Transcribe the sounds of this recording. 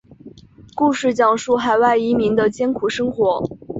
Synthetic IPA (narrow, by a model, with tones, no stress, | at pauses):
ku˥˧ʂɻ̩˥˩t͡ɕjɑ˥˩ŋʂu˥˩xa˨˧˩ɪwa˥˩ɪi˧˥mi˧˥ŋd̪ə˧t͡ɕjɛ˥nkʰu˨˩ʂɤ˥ŋxwɔ˧˥